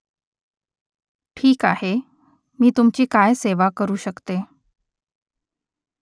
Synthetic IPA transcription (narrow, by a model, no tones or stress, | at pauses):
ʈʰiːkahe | miːt̪umt͡ɕiːkajseʋakəɾuːɕəkt̪e